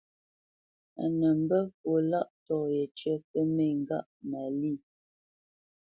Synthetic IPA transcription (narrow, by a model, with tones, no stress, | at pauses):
a̰˨nə˨m̩˦bə˦fo˨la˦ʔtɔ˦˨je˨t͡ʃɥə˦pə˦me˦˨ŋ̩˨ɡa̰˦ʔmaə˨li˦˨